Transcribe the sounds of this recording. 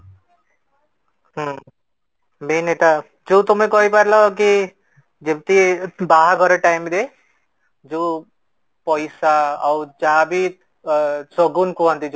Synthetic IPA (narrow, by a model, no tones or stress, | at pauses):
ɦ | meneʈa | d͡ʒut̪umekɔɦipaɾlɔk̬i | d͡ʒeb̚t̪ibaɦaɡʱɔɾɔʈajmd̪e | d͡ʒu | pɔjsaɔwd͡ʒabi | soɡunkuɦʌnt̪id͡ʒ